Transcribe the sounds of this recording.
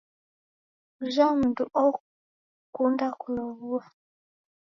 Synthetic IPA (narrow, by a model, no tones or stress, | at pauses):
ʒamuduʔɔ | kundakulɔβua